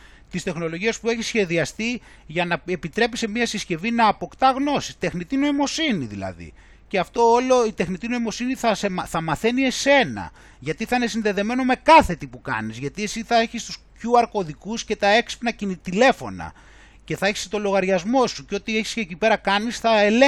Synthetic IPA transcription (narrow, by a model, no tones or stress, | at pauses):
t̪ist̪e̞xno̞lo̞ʝiespue̞çisːçe̞ðiɐst̪i | ʝɐnɐepit̪ɾe̞pisemiɐsisce̞vinɐːpo̞kt̪ɐɣno̞sist̪e̞xnit̪ino̞imo̞siniðḭlɐ̰ðḭ | ceɐft̪o̞olo̞it̪e̞xnit̪inoimo̞siniθɐseθɐmɐθe̞nie̞se̞nɐ̰ | ʝɐt̪iθɐine̞sinðe̞ðe̞me̞no̞me̞kɐθe̞t̪ipukɐ̰nizʝɐt̪iesiθɐe̞çist̪u̥scuɐɾko̞ðikusce̞t̪ɐe̞kspnɐcinit̪ile̞fo̞̰nɐ̰ | ce̞θɐeçi̥st̪o̞lo̞ɣɐɾʝɐzmo̞suceo̞t̪ieçi̥scecipe̞ɾɐkɐnisθɐele